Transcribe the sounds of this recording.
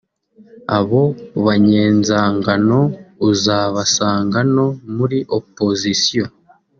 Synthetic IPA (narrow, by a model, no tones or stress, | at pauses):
a̰βo̞βaɲe̞ːnzaːŋɡano̞uzaːβasaːŋɡano̞muɾiʔopo̞zisijo